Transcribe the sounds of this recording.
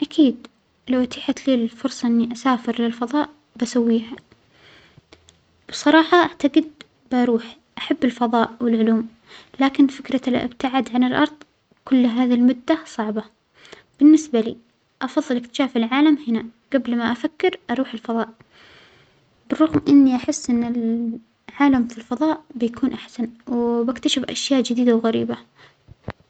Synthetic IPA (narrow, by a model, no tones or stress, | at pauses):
ʔakʰiːd̪ | lawʔat̪ʰaːħat̪liːlfʊɾsˤɑʔɪnːiʔasaːfɪɾlɪlfɑðˤɑːʔ | basawːiːɦa | b̥sˤɑɾˤɑːħɑʔaʕt̪aɡɪd̪̚ | bɪʔɑɾuːħ | ʔaħabːɪlfɑðˤɑːʔwɪlʕʊluːm | laːkɪnfɪkɾɑlʔɪ̰bt̪aʕad̪ʕanɪlʔɑ̰ɾˤðˤ | kʊlːɦaːðilmʊd̪ːasˤɑʕbɑ | b̥ɪnːɪsbalḭː | ʔɑfɑðˤːɨlɪkt̪ɪ̥ʃaːfɪlʕaːlamhɪnaɡablmaʔafakːɪɾʔɑɾˤuːħɪlfɑðˤɑːʔ | bɪrˤːʊɣmʔɪnːiʔaħɪsːʔɪnːɪl | ʕaːlamfilfɑðˤɑːʔbɪjakʰuːnʔaħsanwbakt̪aʃɪfʔa̰ʃjaːʔd͡ʒɪd̪iːd̪awɣaɾḭːba